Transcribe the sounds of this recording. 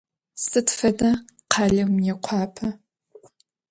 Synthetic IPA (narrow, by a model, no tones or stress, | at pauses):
sɨtfɐdɐqʰɑːɮɐmjɛqʷʰɑːpʰɐ